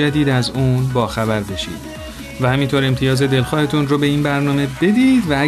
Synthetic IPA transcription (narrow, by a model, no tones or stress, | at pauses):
æd̪iːd̪æzuːnbɒːxæbæɾbe̞ʃḭːd̪̥ | væhæmint̪ʰoɾe̞mt̪ʰijɒːze̞d̪e̞lxɒːhe̞t̪ʰunrobe̞iːnbæɾnɒːme̞be̞d̪iːd̪vææ